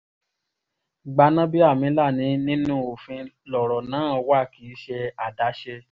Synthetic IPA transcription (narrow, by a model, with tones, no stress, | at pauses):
ɡ͡ba˧nã˦bi˦a˦˨mĩ˨˦la˦˨nĩ˨˦nĩ˦nũ˦o˨fĩ˧lɔ˨ɾɔ˨nãː˨˦ɔ˧wa˦˨kiː˨˦ʃɛ˧a˨da˨˦ʃɛ˧